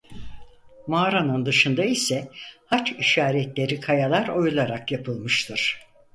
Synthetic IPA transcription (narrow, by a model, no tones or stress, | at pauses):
maːɾanɯnd̪ɯʃɯnd̪aisɛhat͡ʃiʃaːɾɛt̪lʲe̞ɾikʰajalˠaɾo̞julˠaɾakjapʰɯlˠmɯʃt̪ʰɯɾ̥